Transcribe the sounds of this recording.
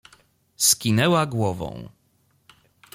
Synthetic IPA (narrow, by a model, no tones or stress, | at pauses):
skʲinɛwaɡwɔvɔ̰̃w̃